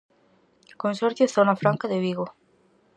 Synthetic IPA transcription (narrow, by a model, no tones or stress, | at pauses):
konsoɾθjoθonafɾaŋkaðeβiɣo